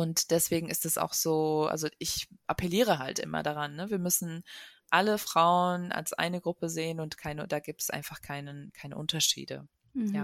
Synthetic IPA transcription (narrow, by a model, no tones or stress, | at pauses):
ʔʊntd̥ɛsv̥eːɡŋ̩ɪstd̥asa̰ʊxz̥oːʔa̰lzoʔɪçʔapʰɛliːʁ̞əɦa̰ltʔɪ̰mɐ̰daʁ̞anːəviːɐmʏsn̩ʔaləfʁ̥aʊəəna̰lsʔa̰ɪnəɡʁʊpəzeːənʊntkʰaɪnəd̥aːɡiːp̚tsʔa̰ɪnfaχkʰaɪnəkʰaɪnə̰ʔʊntɐʃḭːdə̰ | ja